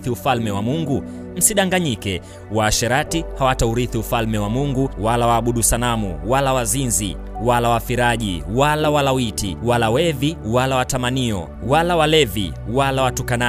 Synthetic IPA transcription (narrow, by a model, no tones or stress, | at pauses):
θiufalmɛwamuŋɡu | m̩siɗaŋɡaɲikɛ | waːʃɛɾatihawatauɾiθiufalmɛwamuŋɡuwalawaːɓuɗusalamṵwalawazinzḭ | walawafiɾaʄḭwalawalawitḭwalawɛviwalawatamaniɔ̰ | walawalɛvḭ | walawatukana